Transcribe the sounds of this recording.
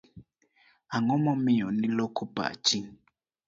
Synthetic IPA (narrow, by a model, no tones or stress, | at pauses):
aŋɔmɔmijɔnilɔkʰuba̰t͡ʃiŋ